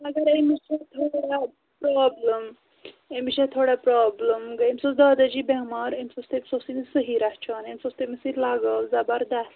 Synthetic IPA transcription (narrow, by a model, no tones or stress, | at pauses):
mɐɡɐɾemiɕat̪ʰoɽa | pɾɔbləm | emiʃat̪ʰoɽapɾɔːbləmɡaemsosd̪aːd̪ad͡ʑiːbɛ̃maɾemsost̪emsosinsəɦiɾaɦt͡ʃʰanemsost̪emisiɾlaɡəld͡zabaɾd̪as